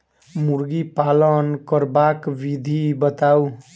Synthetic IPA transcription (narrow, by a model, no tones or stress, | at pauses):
muɾɡipalʌnkʌɾbakbid̪ʱibʌt̪aw